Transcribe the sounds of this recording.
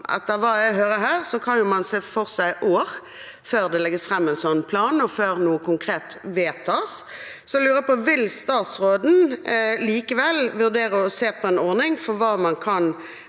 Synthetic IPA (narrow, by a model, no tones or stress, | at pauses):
ʔɛ̰t̪ːəʁʋɑːjæɪɦøːɾəhæːʁsɔkʰɑnjʊmɑnseːfɔʁsæɪʔoːʁ | føːʁd̪ɛlɛɡəsfʁɛmːɛɪnsɔnːpʰlɑːnɔføːɾnuːəkʊŋkʰɾeːt̪ʋeːt̪ʰɑːssɔlʉːɾəpɔʋɪlst̪ɑːt̪sɾoːd̪n̩liːkəʋɛlʋʉʁd̪eːɾəɔseːpʰɔɛnɔʁnɪŋfɔɾʋɑːmɑnkʰɑn